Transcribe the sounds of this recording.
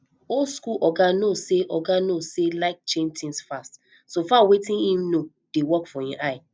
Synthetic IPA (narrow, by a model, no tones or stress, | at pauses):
olskulʔɔɡanoseʔɔɡanoselaɪk̚t͡ʃẽntʰĩnsfast | sofawetĩnhĩmno | d̥ewɔkfɔĩʔaɪ